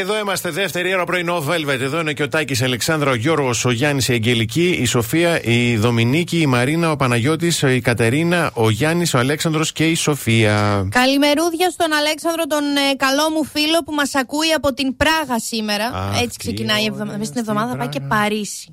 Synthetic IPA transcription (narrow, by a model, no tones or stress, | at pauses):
eðo̞imɐst̪eðeft̪e̞ɾio̞ɾɐpɾoineove̞lvet̪eðo̞ineoceot̪ɐcisɐle̞ksɐnd̪ɾɐoʝo̞ɾɣo̞so̞ʝɐnisie̞ɲɟe̞liciːso̞fiɐʔiðo̞miniciːmɐɾinɐo̞pɐnɐʝo̞t̪isikɐt̪e̞ɾinɐʔo̞ʝɐniso̞ɐle̞ksɐnd̪ɾo̞sce̞iso̞fiɐkɐlime̞ɾuðʝɐst̪o̞nɐle̞ksɐnd̪ɾo̞t̪o̞nkɐlo̞mufilo̞pumɐsɐkuiɐpot̪impɾɐɣɐsime̞ɾɐ̰e̞t͡si̥ksecinɐievðovist̪inevðo̞mɐðɐpɐjce̞pɐɾisi̥